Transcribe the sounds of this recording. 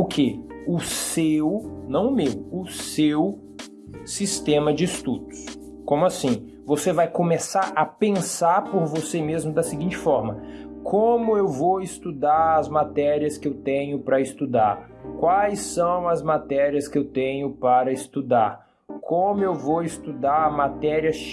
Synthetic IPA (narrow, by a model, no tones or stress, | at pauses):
ʊkʰeʊsewnɐ̃w̃ʊmewʊsew | sist̪ẽmɐd͡ʒɪist̪ud̪ʊ̥s | kõmʊasĩ | vosevajkõmesaɾɐpẽsaɾpoɾvosemezmʊd̪ɐsɪɡĩnt͡ʃɪ̥fɔɾmɐkʰõmʊewvowɪst̪ud̪aɾɐzmat̪ɛɾiɐskɪewt̪ẽɲʊpɾɐɪst̪ud̪aɾ | kwajsɐ̃w̃ɐzmat̪ɛɾiɐskɪewt̪ẽɲʊpaɾɐɪst̪ud̪aɾ | kʰõmʊewvowist̪ud̪aɾmat̪ɛɾiɐ